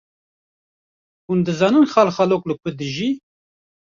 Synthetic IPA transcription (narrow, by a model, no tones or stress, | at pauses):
hund̪ɨzɑːnɨnxɑːlxɑloːklɨkʷʰʊd̪ɨʒiː